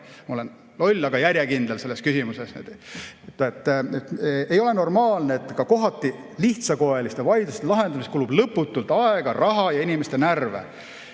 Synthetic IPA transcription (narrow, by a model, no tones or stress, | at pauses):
mɑolen | lo̞lʲːɑɡ̥ɑjæɾʲjekind̪else̞lːeskysimuseset̪t̪ːet̪ːet̪e̞jo̞le̞no̞rmɑːlneːt̪ːˑkɑko̞ɦɑt̪ˑːi | liht̪sɑko̞elist̪evɑjd̪̥ust̪elɑɦe̞nd̪ɑmist̪kuːlub̥lɤpːˑut̪ːˑult̪ɑeɡ̥ɑrɑɦɑjɑinimest̪e̞nærvḛ